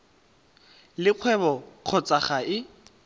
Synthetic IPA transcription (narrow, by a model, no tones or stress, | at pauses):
lɪq͡χʰwɛβɔq͡χʰɔt͡sʼaχaɪ